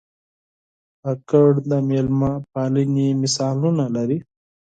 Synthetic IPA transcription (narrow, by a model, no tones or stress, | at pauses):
akəɽd̪amelmapaːlinimɪsɑːlunalaɾi